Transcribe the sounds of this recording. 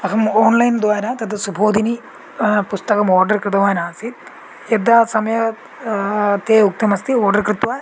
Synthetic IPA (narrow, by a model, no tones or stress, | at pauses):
ɐkɐmoːnlɐjnd̪ʋaːɾɐt̪ɐd̪ɐsubʱoːd̪ʱini | pust̪ɐkɐmoːɾɖɐɾkɾɪd̪ɐʋaːjɐnaːsit̪ | ed̪aːsɐmɐjɐ | t̪eːuk̚t̪ɐmɐst̪ioːɖɐɾkɾit̪ʋaː